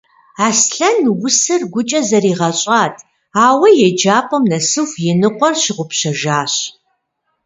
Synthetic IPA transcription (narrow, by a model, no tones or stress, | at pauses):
aːsɬɐnwʊsɨrɡʷʊt͡ʃʼɐzɐriːʁɐɕʼaːtʰ | aːwɐjɛd͡ʒaːpʰʼɐmnɐsɨxjɛnɨqʷɔrɕɪʁʷʊpɕɐʒaːɕ